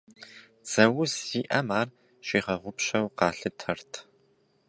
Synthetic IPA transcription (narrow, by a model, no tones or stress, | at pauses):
d͡zɐwʊzːiːʔɐmaːr | ɕiːʁɐʁʷʊpɕɐwqɑːɬɨtʰɐrtʰ